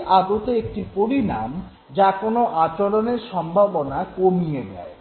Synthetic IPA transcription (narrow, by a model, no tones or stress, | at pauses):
ʔad̪ot̪eek̚ʈipoɾinam | d͡ʑakonoʔat͡ɕoɾoneɾʃɔmbʱabonakomied͡ʒa̰e